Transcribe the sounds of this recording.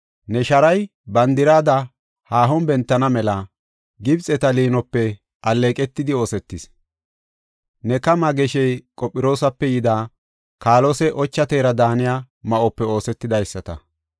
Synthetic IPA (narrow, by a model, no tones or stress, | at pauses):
nɛʃɐɾɐj | bɐnd̪ɪɾaːd̪ɐ | haːɦɔnbɛnt̪ːɐnɐmɛlɐ | ɡɪbt͡sʼɛt̪ɐliːnɔpːɛ | ʔɐlːeːkʼɛt̪ːɪd̪ɪo̞ːsɛt̪ːɪs | nɛkɐmɐɡɛʃɛjkʼɔpʼːɪɾo̞ːsɐpːɛjɪd̪aː | kaːlɔsɛʔɔt͡ʃːɐt̪eːɾɐd̪aːnɪjaː | mɐʔɔpːɛo̞ːsɛt̪ːɪd̪ɐjsːɐt̪ɐ̰